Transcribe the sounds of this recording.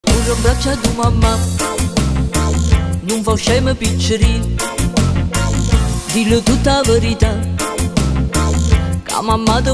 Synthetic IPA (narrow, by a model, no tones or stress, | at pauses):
uɾəŋbat͡ʃad̪umamːa | numvawʃajməbit͡ʃəɾi | d̪ilət̪ut̪avəɾit̪a | ka̰mamːad̪ə